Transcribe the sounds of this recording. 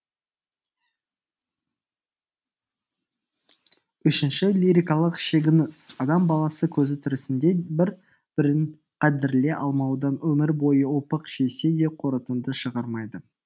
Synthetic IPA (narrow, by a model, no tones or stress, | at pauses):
ʏʃɪnʃɪlʲiɾʲijkɑlˠəqʃe̞ɡʲɪnəɑd̪ɑmbɑlˠɑsəkʲʰɵzɪt̪ʰʏɾɪsɪnd̪e̞bɪɾ | b̥ɪɾɪn | qʰæd̪ɪɾle̞ʔɑlˠmɑwd̪ɑnwɵmɪɾbo̞jəʊlˠpəqʃe̞se̞d̪e̞qʰoɾət̪ənd̪əʃəʁɑɾmɑjd̪ə